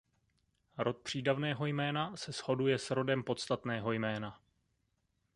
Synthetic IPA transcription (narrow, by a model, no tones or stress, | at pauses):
ɾo̞t̪̚pr̝̥iːdavnɛːɦo̞jmɛːnasɛsho̞dujɛsɾo̞dɛmpo̞t̪st̪at̪nɛːɦo̞jmɛːna